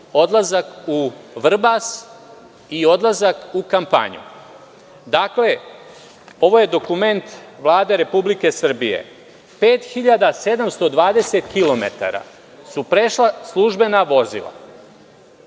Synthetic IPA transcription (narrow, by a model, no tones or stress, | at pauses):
o̞d̪lˠazakuʋr̩bas | io̞d̪lˠazakukampa̰ɲṵ | d̪akle̞ | o̞ʋo̞je̞d̪o̞kume̞nt̪ʋlˠaːd̪e̞ɾe̞publike̞sr̩bije̞̰ | peːt̪xiʎad̪ase̞d̪amst̪o̞d̪ʋaːd̪e̞se̞t̪kilo̞mḛt̪a̰ɾa̰ | supɾeʃlˠaslˠuʒbe̞naʋo̞zḭlˠa̰